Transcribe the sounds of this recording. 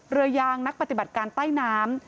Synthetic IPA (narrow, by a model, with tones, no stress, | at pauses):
ɾɯ˧əjaː˧ŋna˦˥k̚pa˩t̪i˨˩ba˨˩t̪̚kaː˧nt̪aː˥˩jnaː˦˥m